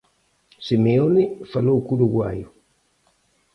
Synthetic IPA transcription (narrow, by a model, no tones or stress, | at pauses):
simeonifaloukuɾuɣwajo